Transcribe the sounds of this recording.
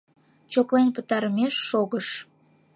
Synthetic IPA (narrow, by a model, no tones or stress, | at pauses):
t͡ɕoklenpət̪ɑɾəmeʃːoɣəʃ